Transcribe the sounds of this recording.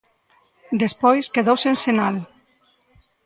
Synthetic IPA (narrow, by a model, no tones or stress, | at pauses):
d̪espɔjskeðowsensenal